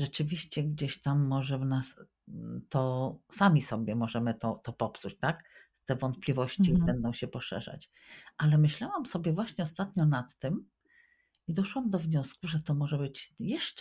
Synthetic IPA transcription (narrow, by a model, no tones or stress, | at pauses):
ʐɛt͡ʂɘvʲiɕt͡ɕɛɡd͡ʑeɕt̪amːɔʐɛvnas | t̪ɔsamʲisɔbʲjɛmɔʐɛmɘt̪ɔt̪ɔpɔpsut͡ɕt̪ak | t̪ɛvɔnt̪̚plʲivɔɕt͡ɕibɛnd̪ɔ̃w̃ɕɛpɔʂɛ̰ʐa̰t͡ɕ | ʔalɛmɘɕlawamsɔbʲjɛvwaɕɲɛɔst̪at̪ɲɔnat̪ːɘm | id̪ɔʂwamd̪ɔvɲɔskuʐɛt̪ɔmɔʐɛbɘt͡ɕjɛʂt͡ʂ